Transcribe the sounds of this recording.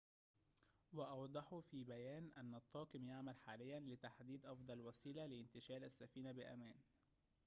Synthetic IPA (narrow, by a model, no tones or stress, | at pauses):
wɑʔɑwd̪ˤɑħufiːbæjæːnʔænːɑt̪ˤːɑːkɪmjaʕmælħaːlɪjːænlɪt̪aħd̪iːd̪ʔɑfd̪ˤɑlwæsiːlalɪɪnt̪ɪʃæːlʔæsːæfiːnabɪʔæmæːn